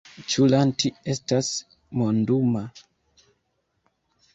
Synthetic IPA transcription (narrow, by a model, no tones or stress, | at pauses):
t͡ʃulantiestas | monduma